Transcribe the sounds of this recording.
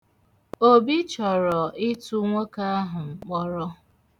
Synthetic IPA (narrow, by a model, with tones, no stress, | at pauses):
o˦bi˦t͡ʃɔ˨ɾɔ˨ʔɪ˦tu˦ŋʷo˦ka˦ɦʊ˨ŋ͡m̩˨k͡pɔ˦ɾɔ˦